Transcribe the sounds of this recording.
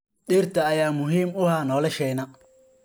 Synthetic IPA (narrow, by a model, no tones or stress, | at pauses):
ɗiːrt̪ʰɐːjaːmʊɦiːmʊhaːnɔːlɐʃɛjnɐ